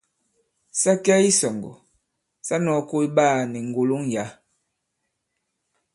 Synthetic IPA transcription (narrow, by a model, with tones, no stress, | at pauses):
sa˦ka˦i˦sɔ˨ŋɡɔ̰˨ | sa˦nɔ˨˦ko˦i˦baː˦˨ni˨ŋ˨ɡo˨lo˦ŋja˨˦